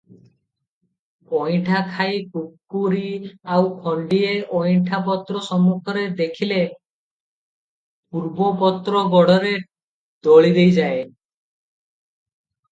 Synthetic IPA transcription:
ɔjʈʰakʰajkukːuɾiawkʰɔɳɖieɔjʈʰapɔt̪ɾɔsɔmukʰɔɾed̪ekʰile | puɾbɔpɔt̪ɾɔɡɔɽɔɾe | d̪̥ɔɭid̪ejd͡ʒae

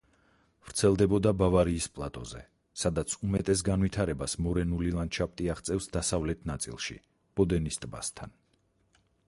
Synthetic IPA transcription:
v̥ɾt̪sʰɛlˠd̪ɛbɔd̪abavaɾiːspʼlˠat̪ʼɔ̰zɛ̰ | sad̪at̪sʰumɛt̪ʼɛs̬ɡanvit̪ʰaɾɛbasmɔɾɛnulilˠant͡ʃʰap̚ʼt̪ʼiaʁt̪sʼɛfsd̪asavlɛt̪ʰnat̪sʼḭlˠʃḭ | b̥ɔd̪ɛnist̪ʼba̰st̪ʰa̰n

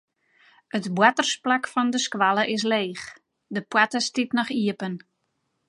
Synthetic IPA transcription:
ətbwatərsplakfɔndəskwaləʔɪs̬leːχ | dəpwatəstitnɔχiəpən

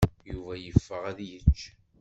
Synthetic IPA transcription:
juvæjəfːəʁæðjət͡ʃː

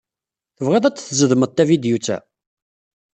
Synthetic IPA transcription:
θəvʁæðæt͡sːθzəðməð̚ˤt̪ːævid̪jut͡sːæ̰

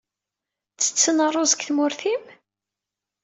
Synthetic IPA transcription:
t͡sːə̥t͡sːənərˤozəkθmʊɾθim

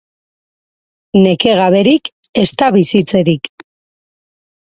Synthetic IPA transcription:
ne̞ke̞ɣaβe̞ɾik | e̞st̪aβisit͡se̞ɾik

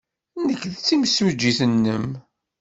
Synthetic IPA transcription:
nəkːðt͡sːimsməd͡ʒːiθənːəm

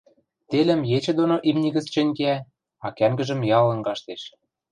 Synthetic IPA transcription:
t̪elə̆mjet͡ɕɘ̆d̪onoʔimnʲiɣə̆t͡st͡ɕɘ̆nʲkeæ | ɑkæmɡə̆ʒə̆mjɑlˠɤ̆ŋɡɑʃt̪eʃ

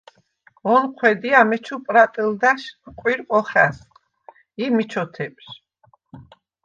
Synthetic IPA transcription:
ɔnqʰwɛd̪iamɛt͡ʃʰupʼɾat̪ʼild̪aʃqʼwiɾqʼɔχas | imit͡ʃʰɔt̪ʰɛpʼʃ

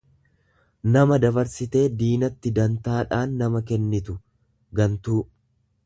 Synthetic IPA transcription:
nɐmɐd̪ɐbɐɾsɪt̪e̞ːd̪iːnɐt̪ːɪd̪ɐnt̪aːᶑaːnːɐmɐkɛnːɪt̪ʊ | ɡɐnt̪uː

